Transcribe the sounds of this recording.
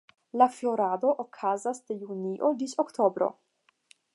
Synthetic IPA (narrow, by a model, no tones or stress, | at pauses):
laflo̞ɾad̪o̞ʔokʰazasd̪ejuniʔodit͡ʃokt̪ʰobɾo̰